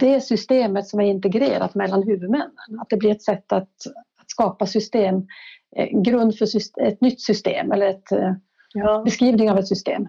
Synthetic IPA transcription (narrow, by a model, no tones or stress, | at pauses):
d̪ɛæsʏst̪eːmət̪sɔmæɾɪnt̪ɛɡɾḛːɾa̰t̪mɛlːanɦʉ̟ːvɵd̪mɛnːə̰nat̪̚d̪ɛblɪɾɛt̪sɛt̪ːat̪at̪skɑːpasʏst̪eːm | ɡɾɵnd̪fœsʏsɛt̪nʏt̪ːsʏst̪ḛːmɛlːəɾɛt̪ | bɛskɾiːvnɪŋavɛt̪sʏst̪ḛːm